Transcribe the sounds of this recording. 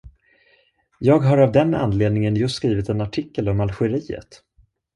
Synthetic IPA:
jɑːɡɦaɾavd̪ɛna̰nːleːd̪̚nɪŋənjɵst̪skɾiːvɪt̪ɛnaʈʰɪkːəlɔmalɧɛɾiːə̰t̪

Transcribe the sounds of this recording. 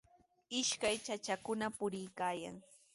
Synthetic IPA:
ɪʃkajt͡ʃat͡ʃakʊnapʊɾɪjkaːja̰ŋ

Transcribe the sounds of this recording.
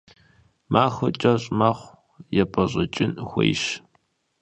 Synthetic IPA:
mʔaːxɐt͡ʃʼɐɕʼmaːχʷ | jɛpʰʼɐɕʼɐt͡ʃʼɪnxʷḛjɕ

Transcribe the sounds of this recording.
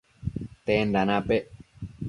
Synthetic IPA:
t̪endanãpe

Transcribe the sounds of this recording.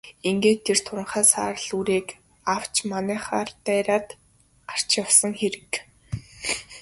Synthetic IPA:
iŋɡeːt̪ʰːer̥t̪ʰʊɾə̆ɴχaːsa̰ːɾəɮuɾeːk | aw̥t͡ɕmanæːχaːrt̪æːɾaːt̪ | ɢar̥t͡ɕjawsə̆ŋxeɾɘ̆k

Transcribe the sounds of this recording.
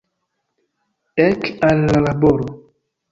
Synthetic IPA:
ɛkalːalaboɾo

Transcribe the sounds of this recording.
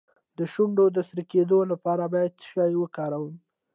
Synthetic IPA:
d̪əʃuɳɖod̪əsɾiked̪olapɑɾabɑjad̪sə̥ʃɑjwəkɑɾawəm

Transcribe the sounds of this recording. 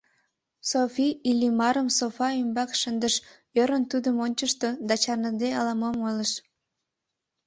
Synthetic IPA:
sofiilʲimɑɾəmsofɑymbɑkʃənd̪əʃ | jøɾənt̪ud̪əmonʲt͡ɕəʃt̪od̪ɑt͡ɕɑrnəd̪eɑlɑmomojləʃ

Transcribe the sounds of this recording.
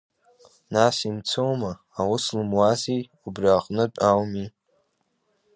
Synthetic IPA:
nasimt͡sʰowmaːwʊslɨmwazi | ubriaqʼnɨt͡pʼawmi

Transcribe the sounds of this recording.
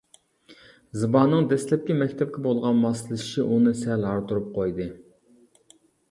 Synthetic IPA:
zɨbɑnːɨŋd̪ɛslɛp̚kʲɛmɛkʲt̪ʰɛp̚kʲɛbolˠʁɑnmɑsɨlˠɨʃi̥ʃiʔunɨsɛlɦɑɾt̪ʰuɾup̚qʰojd̪ɨ

